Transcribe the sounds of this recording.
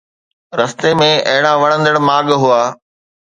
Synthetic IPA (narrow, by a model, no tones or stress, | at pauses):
ɾɐst̪emẽɐɦɪɽ̃ãʋɐɽ̃ə̃nd̪əɽmaːɠɦuaː